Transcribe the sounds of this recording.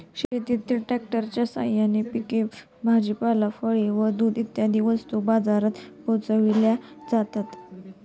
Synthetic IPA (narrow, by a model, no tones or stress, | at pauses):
ɕet̪it̪ːilʈɾɛk̚ʈəɾt͡ɕjasa̰janipikef | bʱad͡ʑipalafəɭeʋəd̪uːd̪it̪jad̪ʱiːʋəst̪ubad͡zaɾat̪pot͡səʋiljad͡zat̪at̪